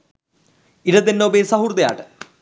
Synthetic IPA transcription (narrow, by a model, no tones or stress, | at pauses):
iɾɐd̪enːoːbeːsɐɦurd̪ɐja̰ːʈːɨ̥